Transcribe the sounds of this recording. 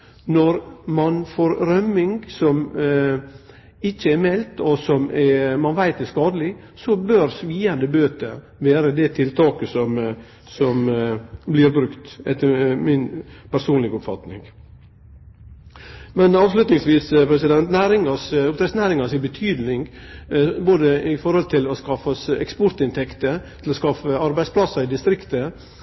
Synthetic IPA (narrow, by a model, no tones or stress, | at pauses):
nɔɾmɑnfoːɾɾœmɪŋɡsɔm | ɪçːəæɾmɛlt̪ɔsɔmɛmɑnʋæɪt̪ɛskɑːd̪əlɪ | sɔbøɾsʋiːənd̪əbøːt̪ə | ʋeːɾəd̪ɛt̪ʰɪlt̪ɑːkəsɔm | sɔmblɪɾbɾʉkt̪ɛt̪ːəmɪnpʰæɾsuːnlɪɡɔpfɑt̪nɪ̰ŋɡ | mɛnɑːʋslʉt̪nɪŋsʋiːspʰɾɛsɪd̪ɛnt̪næːɾɪŋɑsɔt̪ɾɛsnæːɾɪŋɑsɪbət̪ʰyːd̪nɪŋɡ | boːd̪əɪfɔɾhɔlt̪ʰɪlɔskɑfɑsɛ̰kspɔɾt̪ɪnt̪ʰɛkt̪ət̪ʰɪlɔskɑfəɑɾbæɪspʰlɑsːɑɪd̪ɪst̪ɾɪkt̪ə